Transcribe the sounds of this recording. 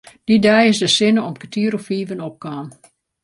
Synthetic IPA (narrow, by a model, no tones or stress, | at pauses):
d̥idɛjɪsdəsɪnəɔmkətʰiːɾɔfiːvənɔp̚kaːn